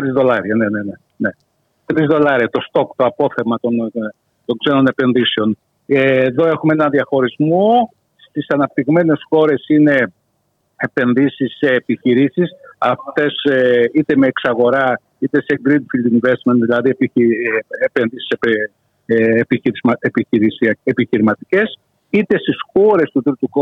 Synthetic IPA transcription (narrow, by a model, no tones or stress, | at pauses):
t̪ɾizðo̞lɐɾiɐne̞nene | ne̞ | t̪ɾizðo̞lɐɾiɐt̪o̞st̪o̞kt̪oɐpo̞θemɐt̪on | t̪o̞ŋkse̞no̞ne̞pe̞nðise̞o̞n | eːðo̞e̞xumeenɐðiɐxo̞ɾizmo | st̪isɐnɐp̚t̪iɣme̞ne̞sxo̞ɾe̞sine̞ | epe̞nðisisːe̞ːpiçiɾisisɐft̪e̞seit̪e̞me̞ːksɐɣo̞ɾɐ | it̪e̞se̞ɡɾid̪fild̪iɱvest̪me̞nt̪ðilɐðiep | epenðisi̥se | piepiiɾisepiçiɾimɐt̪ice̞s | it̪e̞st̪isxo̞ɾe̞st̪ut̪ɾit̪uko